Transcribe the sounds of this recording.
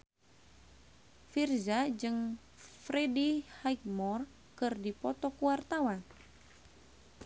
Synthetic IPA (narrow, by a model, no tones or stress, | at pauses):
firzad͡ʒɨŋ | fɾedihajk̚mɔr | kɨrdipɔt̪ɔkuwart̪awan